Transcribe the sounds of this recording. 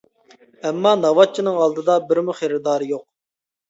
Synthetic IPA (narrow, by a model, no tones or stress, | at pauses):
ɛmːɑnɑwɑt̪̚t͡ʃʰinɨŋɑlˠd̪ɨd̪ɑbɪɾmuχeɾɪd̪ɑːɾɨjoq̚